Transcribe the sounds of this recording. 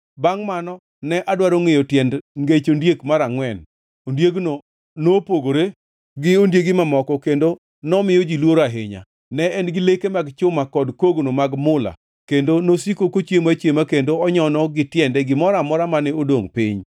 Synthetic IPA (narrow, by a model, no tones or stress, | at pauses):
baŋmanɔ | nɛʔadwaɾoŋejotjɛndŋɡet͡ʃondjekmaɾaŋwɛn | ondjeɡno | nopoɡoɾe | ɡɪondjeɡɪmamɔkɔkendo | nɔmɪjod͡ʒilwoɾaɦḛɲa̰ | nɛɛnɡɪlekemaɡt͡ʃʊmakɔdkoɡnomaɡmʊla̰ | kendonosikokot͡ʃjemat͡ʃjemakendoɔɲɔnɔɡɪtjɛndɛɡɪmɔɾamɔɾamanɛodoŋpɪɲ